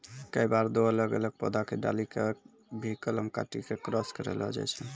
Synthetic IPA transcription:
kəibaɾd̪oələɡələɡ̚pɔ̰d̪akeɖa̰likek | bʱikələmka̰ʈikekɾəskəɾɛ̰ləd͡ʒa̰jt͡ʃʰɛ

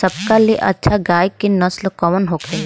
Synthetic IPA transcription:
sɐb̚kalieʔɐ̰tːʃʰaɡaːjkenɐslkɔʋənɦoːke

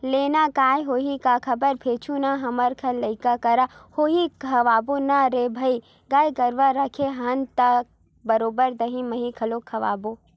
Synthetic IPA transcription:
leːnakaːjɦoːɦikakʰɐbəɾpʰeːt͡ʃʰunaɦɐməɾkʰɐlɐikakɐɾahoːɦikʰɐʋaːbonaɾebʱɐi | ɡaːjɡɐɾʋaɾɐkʰeɦɐnt̪ɐk̚ | bɐɾoːbəɾd̪ɐɦĩmɐɦĩkʰɐlokʰɐʋa̰ːbo

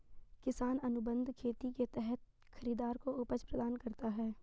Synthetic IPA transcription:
kɪsaːnɐnʊbə̃nd̪ʱkʰeːt̪iket̪ɛɦɛt̪̚ | xɐɾiːd̪aːɾkoʊpəd͡ʒpɾɐd̪aːnkɐɾt̪aɦɛː

